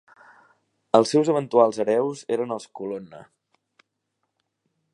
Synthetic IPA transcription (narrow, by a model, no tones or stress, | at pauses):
əlˠsːɛwzəβ̞ənt̪ualˠzəɾɛwzeɾənəlˠskulonə̰